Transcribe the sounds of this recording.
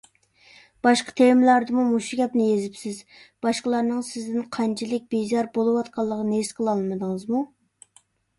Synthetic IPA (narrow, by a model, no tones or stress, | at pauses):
b̥ɑʃqɑ̥t̪ʰemlæɾd̪ɨmumuʃuɡʲɛpnɪjezɪpsɪz | b̥ɑʃqəlˠɑɾnɨŋsɪzd̪ɪnqʰɑnt͡ʃʰilɪk̚ʲbezɑɾbolˠɨwɑt̪̚qʰɑlˠːəʁənesqʰəlˠɑlˠmɨd̪ɨŋəzmu